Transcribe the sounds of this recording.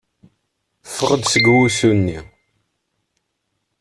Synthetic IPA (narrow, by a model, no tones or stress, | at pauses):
fəʁəd̪səɡwusunːi